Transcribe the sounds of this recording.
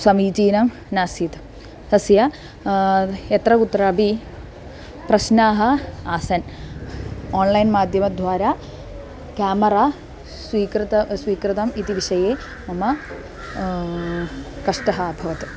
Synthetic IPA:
sɐmiːt͡ɕiːnɐm | naːsit̪ | hɐsjɐ | et̪rɐkut̪rɐɐbʱi | prɐɕnaːɦɐaːsɐn | oːnlɐjnmaːd̪ʱjɐmɐd̪ʱʋaːɾa | kʲaːmɐraː | sʋiːkɾɨt̪ɐsʋiːkrɨt̪ɐmit̪iʋiʂɐjeː | mɐmɐ | kɐʂʈɐɦɐaːbʱɐʋɐt̪ɨ̥

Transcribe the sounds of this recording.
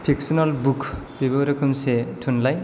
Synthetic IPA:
pʰiksɔnɔlbukʰbiboɾɔkʰɯmsetʰunlaj

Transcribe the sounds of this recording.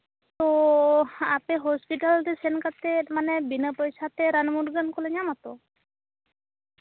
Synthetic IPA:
t̪o | apeɦɔspiʈaldesenkat̪emanebinəpɔjsat̪eɾanmuʈɡənkoleɲamat̪o

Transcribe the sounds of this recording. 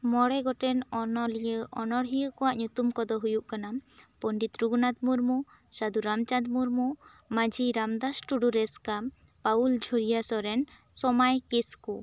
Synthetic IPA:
mɔɽɛɡɔʈɛnɔnɔlijəʔɔnɔɽɦijəkɔwaʔɲut̪umkɔd̪ɔɦujuʔkanampɔɳɖit̪ɾuɡnad̪muɾmusad̪uɾamt͡ʃad̪muɾmu | mad͡ʒiɾamd̪asʈuɖuɾɛskam | pauld͡ʒʱoɾijasɔɾɛnsɔmajkisku

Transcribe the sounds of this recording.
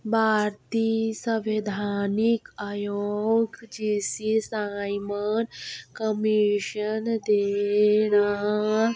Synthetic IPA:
bʱaːɾt̪isə̃ʋed̪ʱaːnikaːjoɡd͡ʒisisajmənkəmiʃənd̪ena

